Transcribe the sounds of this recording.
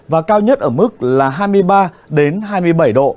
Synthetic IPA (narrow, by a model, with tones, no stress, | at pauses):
vaː˨˩kaː˧wɲə˦˥t̚ʔəː˧˩mɨ˦˥k̚laː˨˩ɦaː˧jmɨ˧əjɓaː˧ | ɗe˨˦nɦaː˧jmɨ˧əjɓə˧˩jɗo̰˧˨